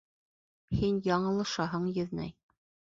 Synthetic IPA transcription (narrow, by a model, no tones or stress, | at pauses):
hinjɑɴɤ̆lˠɤ̆ʃɑɦɤɴjɘ̆ðnæ̰j